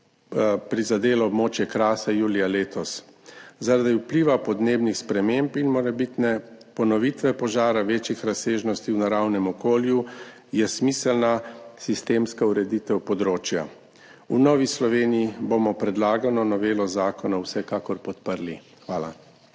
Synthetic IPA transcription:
pɾizad̪eːlɔːbmoːt͡ʃjɛkɾaːsajuːlijaleːt̪ɔszaɾad̪iwpliːʋapɔd̪neːbnixspɾɛmempinmɔɾɛbit̪nɛpɔnɔʋit̪ʋɛpɔʒaːɾaʋeːt͡ʃjixɾaseːʒnɔst̪iwnaɾawnɛmɔkoːlju | jɛsmiːsɛlnasist̪eːmskauɾɛd̪it̪ɛwpɔd̪ɾoːt͡ʃja̰ | unɔʋislɔʋeːnijibomɔpɾɛd̪laːɡanɔnɔʋeːlɔzaːkɔnawsɛkakɔɾpɔt̪pəɾli | xʋaːla̰

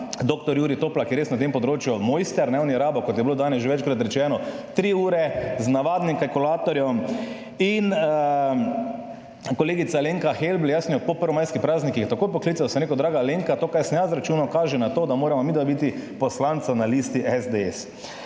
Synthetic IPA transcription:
d̪oːk̚t̪ɔɾjuːɾit̪oːplakijɛɾeːsnat̪̬empɔd̪ɾoːt͡ʃjumɔjst̪ɛɾnɛwniɾaːbɔkɔt̪jɛbiloːd̪aːnɛsʒeʋɛt͡ʃkɾat̪ɾɛt͡ʃɛːnɔt̪ɾiːuːɾɛznaʋaːd̪nimkalkulaːt̪ɔɾjɔm | in | kɔleːɡit̪saleŋkaxelbljasnjɔpɔpəɾʋɔmajskipɾaːznikiɛt̪akoːjpɔklit̪sawsɐmɾeːkɔd̪ɾaːɡaleŋkat̪oːkajsnɛjazɾat͡ʃuːnakaːʒɛnat̪oːd̪amoːɾamɔmiːd̪ʋabit̪ipɔslant̪sanalist̪iʔɛzd̪eɛs

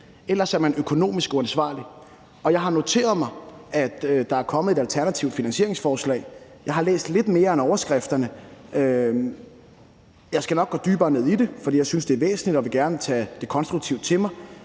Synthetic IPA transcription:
elɐsæɐmænøkʰo̝no̝̰ːmisɡ̥uænsʋɑ̰̈ːli | ɒ̽jɑ̈ɪɦɑ̈no̝t͡sʰe̝̰ːɐð̞̩ˠmɑ̈ɪæd̥d̥ɑ̈æɐkʰɒ̽məð̩ˠe̝ɾælt͡sʰæɐnæt͡sʰiʊd̥finænsɕe̝ɐe̝ŋsfɒːslɛ̰ɪjɑɪɦɑ̈lḛːsd̥le̝d̥me̝ːɐenɒʊɐsɡ̥ʁafd̥ɐnəø | jɑ̈ɪsɡ̥ænɒ̽ɡ̥ɒːd̥yːb̥ɐːne̝ðˠid̥e̝fɒd̥ḭjɑɪsynsd̥e̝æɐʋḛːsn̩lid̥ɒʋe̝ɡ̥æɐnət͡sʰɛ̰d̥e̝kʰɒ̽nsd̥ʁuɡ̚t͡sʰiʊd̥t͡sʰe̝lmɑ̈ɪ

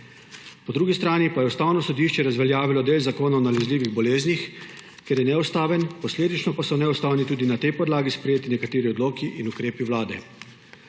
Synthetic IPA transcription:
pɔd̪ɾuːɡist̪ɾaːnipajɛust̪aːwnɔsɔd̪iʃt͡ʃɛɾazʋɛljaːʋilɔd̪eːlzakoːnaɔnalɛzliːʋiɣbɔleːznix | kʲeɾjɛnɛust̪aːʋɛnpɔsleːd̪it͡ʃnɔpasɔnɛust̪aːwnit̪uːd̪inat̪ɛjpɔd̪laːɡispɾɛjeːt̪inɛkat̪eːɾiɔd̪loːkiʔinukɾeːpiʋlaːd̪ɛ̰

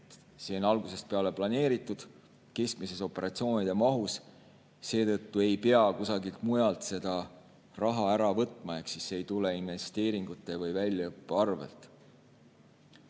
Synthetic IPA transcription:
seːonɑlɡ̥use̞st̪̚pe̞ɑle̞plɑne̞ːɾit̪ːˑud̪̥ | ke̞skmise̞so̞pːˑe̞ɾɑt̪sio̞ːnid̪e̞mɑɦus | se̞ːt̪ɤ̞t̪ːue̞jpe̞ɑkusɑɡilt̪mujɑlt̪se̞d̪̥ɑ | rɑɦɑæɾɑvɤ̞t̪ːˑmɑe̞ksisːe̞jt̪ule̞inve̞st̪e̞ːɾiŋɡ̥ut̪ːˑe̞vɤjvælʲjɑɤpːeɑrvḛlt̪ˑ

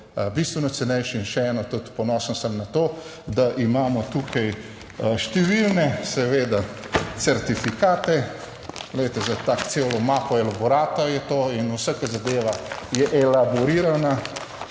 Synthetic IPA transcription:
bist̪ʋɛnɔsɛnɛjʃiinʃɛɛːnɔt̪ut̪pɔnɔːsnsəmnat̪oː | d̪aʔimaːmɔt̪uːkʰɐj | ʃt̪ɛʋilnɛsɛʋeːd̪a | t̪sɛɾt̪ifikaːt̪ɛ | ɡ̥lɛjt̪ɛzat̪aːkt̪selɔmaːpɔɛlabɔɾaːt̪ɐjɛt̪oːinusəkəzad̪eːʋajɛʔɛlabɔɾiːɾana

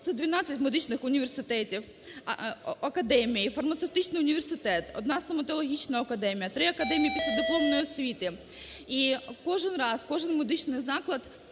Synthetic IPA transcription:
t̪sɛd̪ʋʲinɑt͡sʲːɐtʲmed̪ɪt͡ʃnɪxʊnʲiʋʲersɪt̪ɛtʲiw | ɐkɐd̪ɛmʲijifɐrmɐt̪sewt̪ɪt͡ʃnɪjʊnʲiʋʲersɪt̪ɛt̪ɔ̰d̪̚nɑst̪ɔmɐt̪ɔlˠɔɦʲit͡ʃnɐɐkɐd̪ɛmʲijɐt̪ɾɪɐkɐd̪ɛmʲijipʲisʲlʲɐd̪ɔplˠɔmnɔjiɔsʲʋʲit̪ɪ | ikɔʒɪnrɑskɔʒɪnmed̪ɪt͡ʃnɪjzɑklˠɐt̪

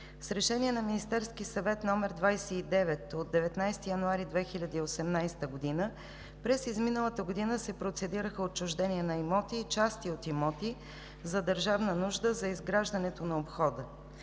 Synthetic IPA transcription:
sɾɛʃɛniɛnɐminist̪ɛɾsk̟isɐvɛt̪nɔmɛɾd̪vajsɛid̪ɛvɛt̪od̪̚dːɛvɛt̪najst̪ijɐnʊaɾid̪vɛxilʲɐd̪iːosɛmnajst̪əɡod̪inə | pɾɛsizminəlˠət̪əɡod̪inəsɛpɾot̪sɛd̪iɾəxəot͡ʃːʊʒd̪ɛniɛnɐimɔt̪iːt͡ʃast̪iot̪imɔt̪i | zɐd̪əɾʒavnənuʒd̪əzɐizɡɾaʒd̪ɐnɛt̪onɐopxɔd̪ə

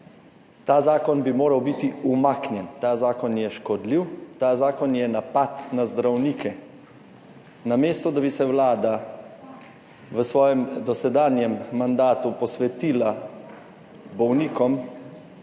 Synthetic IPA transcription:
t̪aːzaːkɔnbimoːɾawbit̪iumaːknjɛnt̪aːzaːkɔnjɛʃkɔd̪liwt̪aːzaːkɔnjɛnapat̪nazd̪ɾawniːkʰɛ | nameːst̪ɔd̪abisɛwlaːd̪a | ʋəsʋɔːjɛmd̪ɔsɛd̪aːnjɛmːand̪aːt̪upɔsʋɛt̪iːla | bɔwniːkɔm

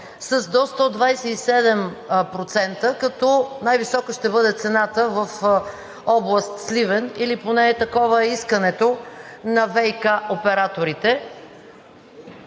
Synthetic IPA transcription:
sɐzd̪ɔst̪əd̪vajsɛisɛd̪ɛm | pɾot̪sɛnt̪əkɐt̪ɔnajvisɔkəʃt̪ɛbɤd̪ɛt̪sɛnat̪əvəf | ɔblˠəst̪slivɛniliponɛɛt̪ɐkɔvəɛiskɐnɛt̪onɐvɛjkaopɛɾat̪oɾit̪ɛ

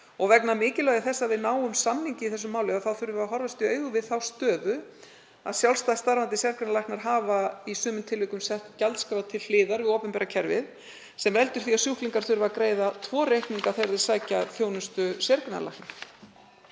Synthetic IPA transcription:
ɔɣvɛknamɪːcɪlaɣaθɛsːavɪðnaːwʏmsamniɲcɪiθɛs̬ʏmːaːwlɪaðθawθʏɾvaɦɔɾvast̪ɪœːɥɣʏvɪðθawst̪œːðʏ | aðsjawlst̪ast̪aɾvant̪ɪsjɛɾknalajhknaɾ̥ɦaːvaisʏːmʏmt̪ʰɪlːʏkʏmsɛht̪calt̪skɾawt̪ʰɪlflɪːðaɾvɪðoːpʏmpɛːɾacʰɛɾvɪð | sɛmvɛlt̪ʏɾ̥θiaðsjuhkliŋkaɾ̥θʏɾvakɾeːjðat̪ʰvɔːrejhk̪niŋkaθejɾðɪ̥saːjcaθjownʏst̪ʏsjɛɾkna̰la̰jhkn

